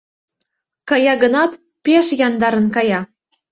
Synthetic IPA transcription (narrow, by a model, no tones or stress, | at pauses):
kɑjɑɡɤ̆nɑt̪ | pʲeʃjɑnd̪ɑɾɤ̆nkɑjɑ